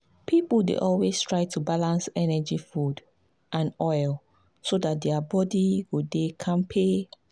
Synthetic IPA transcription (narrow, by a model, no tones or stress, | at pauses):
pʰipədḛʔɔlwestʰɹaɪtʰubalãnsɛnɛd͡ʒifud | ʔãnɔɪl | sodat̚dɛabɔdiɡudekʰãmpʰe